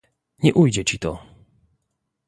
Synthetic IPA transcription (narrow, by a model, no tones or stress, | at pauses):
ɲɛʔujd͡ʑɛt͡ɕit̪ɔ